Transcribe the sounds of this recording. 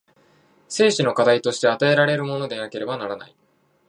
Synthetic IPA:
se̞ːɕino̞kad̪ait̪o̞ɕi̥t̪e̞at̪ae̞ɾaɾe̞ɾɯ̟mo̞no̞d̪e̞nake̞ɾe̞banaɾana̰i

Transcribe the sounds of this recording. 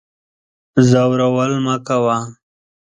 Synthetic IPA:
zawɾawəlmakawa

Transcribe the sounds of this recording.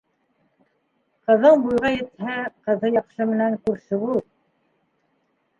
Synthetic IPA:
qɤ̆ðɤnbujʁɑjɘ̆t̪hæqɤ̆ðɤjɑqʃɤmɘ̆næŋkʉɾsɘβulˠ

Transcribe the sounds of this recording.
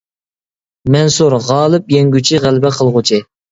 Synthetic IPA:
mɛnsuɾʁɑːlˠɨpjɛŋɡʲyt͡ʃʰiʁælbɛqʰəlˠʁʊt͡ʃʰɪ

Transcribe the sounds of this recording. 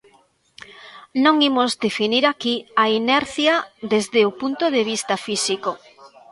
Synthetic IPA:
nõŋimozd̪efiniɾakiainɛɾθjɐðezðeopunt̪oðeβ̞ist̪ɐfisiko

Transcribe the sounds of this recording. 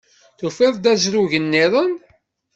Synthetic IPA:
θufɪðˤd̪æzɾuʝənːɪðˤən

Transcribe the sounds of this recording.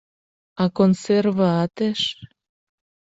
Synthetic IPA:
ɑkonservəɑt̪eʃ

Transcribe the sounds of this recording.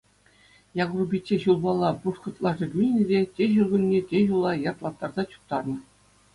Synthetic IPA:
jɑɡrubʲit͡ɕʲːeɕulˠbɑlˠːɑpuʂχɤ̆t̪lˠɑʐɤ̆ɡʲynʲenʲɘ̆dʲetʲeʑurɡʲunʲːetʲeʑulˠɑjɑrt̪lˠɑt̪ːɑrzɑt͡ɕu̥k̚t̪ɑrnɤ̆

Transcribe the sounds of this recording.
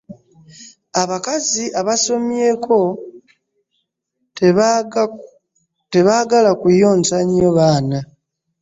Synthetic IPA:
aβakaziʔaβaso̞mje̞kʰo̞ | te̞βaɡalakujo̞ːnsaɲjoβaːna

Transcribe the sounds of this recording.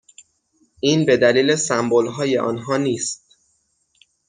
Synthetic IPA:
ʔiːnbe̞d̪æliːlesæmbolɦɒːje̞̰ʔɒ̰ːnɦɒːniːst̪̚

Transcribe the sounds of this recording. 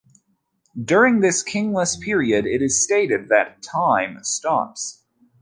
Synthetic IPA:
dʊɹɪ̃ŋðɪskʰɪ̃ŋləspʰɪɹiɨɾɪɾɨz̥steɪɾɨd̪̚ðɨtʰãɪ̃mstɑ̰ps

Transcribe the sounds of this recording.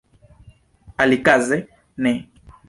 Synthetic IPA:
alikazɛ | nɛ

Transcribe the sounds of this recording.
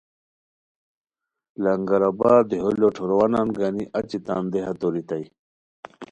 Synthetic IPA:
lɐŋɡɐɾɐbaːd̪eɦoloʈʰoɾowɐnanɡaniʔɐt͡ɕit̪a̰ːnd̪eɦɐt̪oɾit̪ai

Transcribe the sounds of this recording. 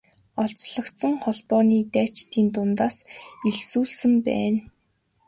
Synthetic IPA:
ɔɬt͡sɮɞ̆kt̪sɞ̆ŋχɔɮpɔːniːt̪æːt͡ɕt̪iːnt̪ʊnt̪aːseɮsuːɮsɘ̆mpæ̰ːn

